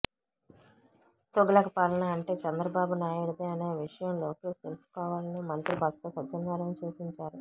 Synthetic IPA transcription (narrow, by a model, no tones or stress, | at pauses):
t̪uɡɐlɐkɐpaːlɐnɐːɳʈe̞ːt͡ʃɛnd̪ɾɐbaːbunaːjuɽud̪eːɐneːʋiʂɐjɐmlo̞ːkeːst̪e̞lusu̥kɔːʋaːlɐnimɐnt̪ɾibɐt̪sɐsɐt͡ʃɐnɡaːɾɐmt͡ʃuːsiɲt͡ʃaːɾu